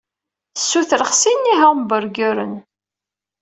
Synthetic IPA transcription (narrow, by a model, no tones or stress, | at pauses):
əsːuθɾəχsinːiɦəʁmbəɾɡəɾən